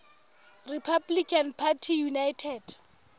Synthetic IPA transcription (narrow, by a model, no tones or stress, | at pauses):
ripʰablikʼʰanpʰatʰijunajtʰɛd̥